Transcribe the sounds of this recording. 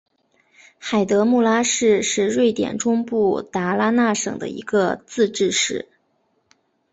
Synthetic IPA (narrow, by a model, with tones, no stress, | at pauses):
xa˨˩ɪt̪ɤ˧˥mu˥˩la˥ʂɻ̩˥˧ʂɻ̩˥˧ɻwe˥˩ɪt̪jɛ̰˨˩nʈ͡ʂʊ˥ŋpu˥˩t̪a˧˥la˥na˥˩ʂɤ̰˨˩ŋd̪ə̰˦ḭ˧˥ɡə˧t͡sɹ̩˥˧ʈ͡ʂɻ̩˥˧ʂɻ̩˥˩